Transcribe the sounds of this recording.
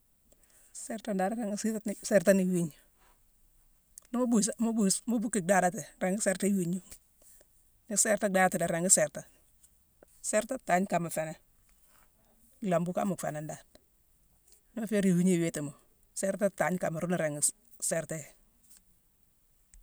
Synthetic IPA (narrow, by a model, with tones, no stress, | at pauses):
sɛ˦ɾta˦ndaː˨n˦ɾe˨ŋɡsi˦tnsɛ˦ɾta˦ni˨wi˦ɲ | ni˦m˦bu˦smu˦bu˦smu˦bu˦kːi˨da˦da˦te˨ɾe˨ŋɡi˦se˦ɾta˦wi˦ɲu˦ | ni˨sɛ˦ɾta˦da˦da˦ti˨de˨ɾe˨ŋɡi˦sɛ˨ɾta˨ | sɛ˦ɾta˦ta˦ɲ˦ka˨ma˨fe˨ne˨ | la˨mbu˦ka̰˦mu˨kfḛ˨ne˨nda˨n | ni˦ma˦fe˦ɾi˨wi˦ɲe˦˨we˦ti˨mo˨ | sɛ˦ɾta˦ta˨˦ɲka˨ma˨ɾu˦na˨ɾe˨ŋɡ | sɛ˨ɾte˦˨